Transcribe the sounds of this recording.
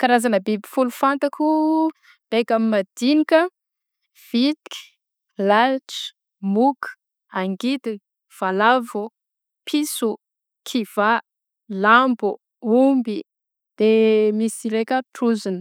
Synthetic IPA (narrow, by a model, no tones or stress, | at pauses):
kaɾazanəbibifulufant̪akʰu | b̥ekamimad̪̥inikə | v̥it̪i̥ki̥ | lalʈ͡ʂi̥ | muku̥ | aŋɡid̪i | v̥alavu | pʰisu | kʰiv̥a | lambu | umbi | d̪̥emisiɾekʲəʈ͡ʂuzinə